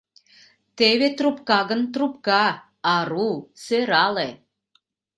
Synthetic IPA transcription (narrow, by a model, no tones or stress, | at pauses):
t̪eβet̪rupkɑɣə̆nt̪rup̚kɑː | ɾusøɾɑle